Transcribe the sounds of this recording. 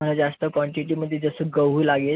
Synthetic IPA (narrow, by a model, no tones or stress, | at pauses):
əlad͡zast̪əkʋɔɳʈiʈiməd̪ʱːjed͡zəsəɡəʋuːlaɡe